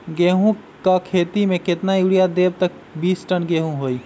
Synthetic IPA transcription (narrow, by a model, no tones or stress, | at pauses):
ɡeːɦũ | kakʰeːt̪imẽket̪najuɽijad̪eːbt̪ək̚ | biːsʈənɡeːɦũɦoːi